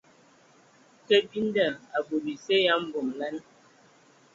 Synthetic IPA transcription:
kə˦bi˦n˦də˨a˨bo˨bi˨se˦ja˨˦m̩˦bo˨mlɛ˦n

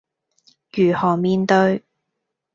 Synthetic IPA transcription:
jyː˨˩hɔː˨˩ŋmiː˧nt̪ɵ˧ɥ

